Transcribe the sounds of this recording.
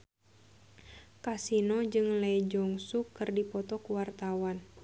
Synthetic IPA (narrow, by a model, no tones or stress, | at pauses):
kasinɔd͡ʒɨŋlɛid͡ʒɔŋsukːɨrdipɔt̪ɔkuwart̪awan